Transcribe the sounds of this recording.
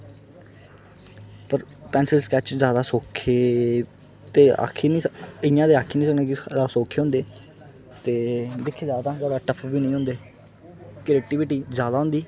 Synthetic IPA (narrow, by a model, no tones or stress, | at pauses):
pəɾpɛːnsɪlskɛːt͡ʃzjaːd̪aːsoːkʰːeː | t̪eːa̰ːkʰiːnĩːɪjãːd̪eːaːkʰiːnĩːsəkneːkɪaːsoːkʰːeːɦʊ̃ːnd̪eː | t̪eːd̪ɪkʰːeːzjaːd̪ãːɡəɾaːʈəpʰʋiːnəĩːɦʊ̃nd̪eː | kɾeːk̚ʈiːʋɪːʈiːzjaːd̪aːɦʊ̃nd̪iː